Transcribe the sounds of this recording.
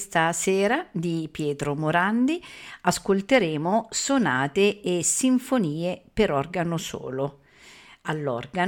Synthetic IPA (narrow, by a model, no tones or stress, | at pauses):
st̪asɛːɾad̪ipjɛːt̪ɾomoɾand̪iaskolt̪eɾeːmosonaːt̪eːsːiɱfoniːepeɾɔrɡanoso̰ːlo | alːɔ̰rɡa